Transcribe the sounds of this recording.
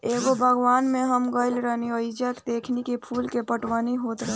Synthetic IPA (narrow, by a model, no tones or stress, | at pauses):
eːɡobʱəɡʋaːnmẽɦəmɡəɪlɾəɦniəid͡ʒəkd̪eːkʰnikipʰulkepəʈʋəniɦoːt̪ɾə